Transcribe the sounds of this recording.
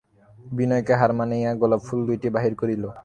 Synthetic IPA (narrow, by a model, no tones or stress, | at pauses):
binɔjkeɦaɾmanejaɡɔlabfʰuld̪ujʈibaɦiɾkoɾilo